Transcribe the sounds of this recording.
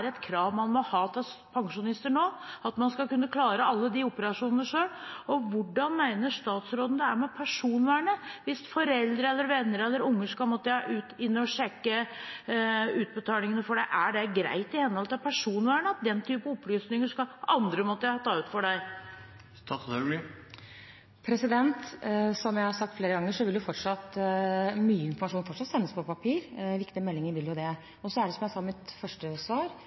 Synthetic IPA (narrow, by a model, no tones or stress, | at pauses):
ɾɛt̪kʰɾɑːʋmɑnmɔhɑːt̪ʰɪlspʰɑŋʂʊnɪst̪əɳoːɑt̪mɑnskɑkʉnːəkʰlɑːɾəɑlːəd̪ɪʊpəɾɑʂuːnənəʂøːlɔʋʊɖɑnmæɪnəʂt̪ɑːt̪sɾoːd̪ən̩d̪ɛæmɛpʰæʂuːnʋæːɳəʋɪsfɔɾɛld̪ɾəɛlːəɾʋɛnːəɾɛlːəɾʊŋːəʂkɑlmɔt̪ːəɑʔʉːt̪ɪnːəɔʂɛkːə | ʉːt̪̚bət̪ʰɑːlɪŋənəfɔɖæɪʔæɖɛɡɾæ̰ɪt̪ɪhɛnhɔlt̪ɑʋpʰæʂuːnʋæːɳəɑt̪̚d̪ɛnːt̪ʰyːpəɔplyːsnɪŋəʂkɑɑnd̪ɾəmɔt̪ːəjæhɑt̪ʰɑːʉt̪fɔɖæɪ | st̪ɑsɑlɪ | pʰɾɛsɪd̪ɛnt̪sɔmjæɪhɑɾʂɑkt̪fleːɾəɡɑŋːəʂɔʋɪldjʊfɔʈʂɑt̪ | myːəɪnfɔɾmɑʂuːnfɔʈʂɑt̪sɛnːəspʰɔpɑpʰiːɾʋɪkt̪ɪmɛlːɪŋəɾʋɪljʊd̪ɛ | ɔsɔæɖɛsɔmjæɪsɑmɪt̪fœʂʈəsʋɑːɾ